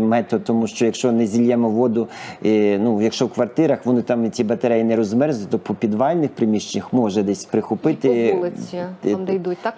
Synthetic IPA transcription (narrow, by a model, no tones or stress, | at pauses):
mɛt̪ɔt̪ɔmuʃt͡ʃɔjɐkʃt͡ʃɔnɛzʲilʲjɛmɔʋɔd̪ʊinujɐkʃt͡ʃɔwkʋɐrt̪ɪɾɐxʋɔnɪt̪ɑmʲit͡sʲibɐt̪ɐɾɛjinɛɾɔzmɛrzɪt̪ɔpɔpʲid̪ʋɑlʲnɪxpɾɪmʲiʃt͡ʃenʲɐxmɔʒɛd̪ɛsʲpɾɪxʊpɪt̪ɪ | d̪u